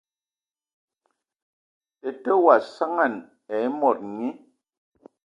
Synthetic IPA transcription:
e˨te˦wa˨sa˦ŋa˦˨n | e˨˦mɔ˨t̚ŋi˦

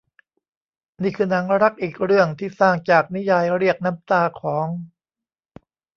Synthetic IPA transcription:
niː˥˩kʰɯː˧na˩˦ŋɾa˦˥k̚ʔiː˨˩k̚ɾɯ˥˩əŋt̪ʰiː˥˩saː˥˩ŋt͡ɕaː˨˩k̚ni˦˥jaː˧jɾi˥˩ək̚na˦˥mt̪aː˧kʰɔː˩˦ŋ

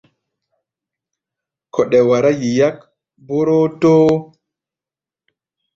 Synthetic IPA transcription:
kʰɔ˨ɗɛ˨wa˨ɾa˦ji˨ja˦k | bo˦ɾo˦to˦

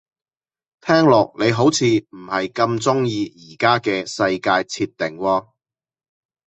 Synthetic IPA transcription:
t̪ʰɛː˥ŋlɔː˨k̚ne˨˧jɦo˨˥wt͡sʰiː˨˧m̩˨˩hɐ˨jkɐ˧mt͡sʊ˥ŋjiː˧jiː˨˩kaː˥kɛː˧sɐ˧jkaː˧jt͡sʰiː˧t̪ːɪ˨˩ŋwɔː˧

